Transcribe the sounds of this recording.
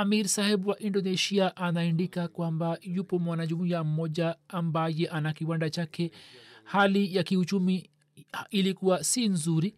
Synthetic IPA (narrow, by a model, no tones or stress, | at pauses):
amiɾsahɛɓuwaʔindɔnɛʃiaʔanaɛndikakwambajupɔmwanaʄumiam̩mɔʄaːmbajɛʔanakiwandat͡ʃakɛhalijakiut͡ʃumi | ilikuwasinzuɾi